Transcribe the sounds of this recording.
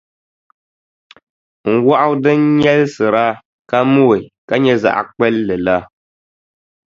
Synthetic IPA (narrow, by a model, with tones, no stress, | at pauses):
ŋ̩˨wa˦ʔa˦wdɨ˦ɲɛ˦lsɨ˨ɾa˦ | ka˦mu˦e˨ka˦ɲɛ˦za̰˨ʔa̰˨k͡pɛ˦lːɛ˨la˦